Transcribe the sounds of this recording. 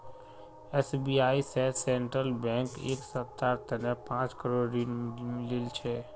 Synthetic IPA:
ɛsbiaːisesẽɳʈɾəlbɛ̃ŋkḛksəp̚t̪aɾt̪ənepãːt͡ʃkəɾoɾdinmɪlilt͡ʃʰɛ

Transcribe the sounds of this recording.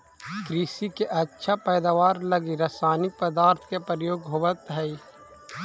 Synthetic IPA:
kɾiːsikeʔɐtːʃʰapɛːd̪aʋaːɾlɐɡiɾasaːnɪk̚pəd̪aːɾt̪ʰkepɾjoːɡɦoʋət̪ɦɛi

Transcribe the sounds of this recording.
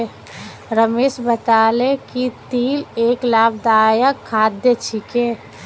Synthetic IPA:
ɾəmeːʃbət̪aːlekit̪iːleːklaːbd̪aːjəkʰːaːd̪jət͡ʃʰikeː

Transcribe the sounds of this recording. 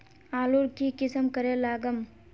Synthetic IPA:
aːluɾkikɪsəmkəɾelaːɡəm

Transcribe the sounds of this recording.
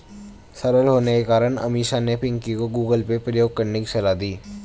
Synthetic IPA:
sɐɾəlɦoːnekekaːɾəɽ̃ɐ̰miːʃanepɪ̃ŋkikoɡuːɡəlpepɾəjoːɡ̚kəɾnekit͡ʃɐlad̪iː

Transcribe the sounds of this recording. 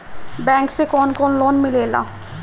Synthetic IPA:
bɛ̃ŋksekɔnkɔnlonmilela̰

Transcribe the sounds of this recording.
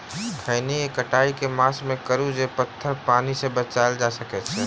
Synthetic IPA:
kʰəːniekəʈaːikemaːsmẽkəɾud͡ʒepət̪ʰːəɾpaːnisebət͡ʃald͡ʒasəkɛt͡ʃʰɛ

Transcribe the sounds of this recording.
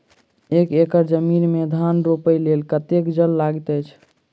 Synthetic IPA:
ekekəɾd͡ʒəminmed̪ʱanɾopəjlelkət̪ekd͡ʒəlːaɡit̪əjt͡ʃʰ

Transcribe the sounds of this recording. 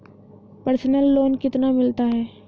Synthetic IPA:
pɐɾsnəlːoːnkɪt̪namɪlt̪aɦɛː

